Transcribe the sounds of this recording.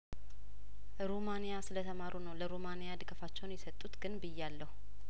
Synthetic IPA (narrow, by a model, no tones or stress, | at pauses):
ɾomanijasɨlət̪ʰəmaɾʔunəwləɾomanijad̪ɨɡəfat͡ʃːɛwnjɛsət̪ʼːut̪ɡɨnbɨjːalːəhu